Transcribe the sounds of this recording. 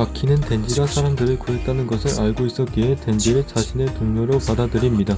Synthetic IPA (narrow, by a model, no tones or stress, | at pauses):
akʰinɯnte̞nd͡ʑiɡasʰaɾamdɯɾɯɭkoɦek̚t͈anɯnɡʌsʰɯɾaɭɡois͈ʌk͈iɦete̞nd͡ʑiɾɯɭt͡ɕaɕʰine̞toŋɲʌɾopadadɯɾimɲida